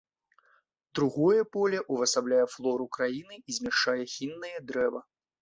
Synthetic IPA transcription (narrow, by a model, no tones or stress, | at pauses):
d̪ɾuɣɔjɛpɔlʲɛʔuvɐsablʲajɛflˠɔɾukɾajinɨizʲmʲɛʂt͡ʂajɛxʲinːɨjɛd̪ɾɛvɐ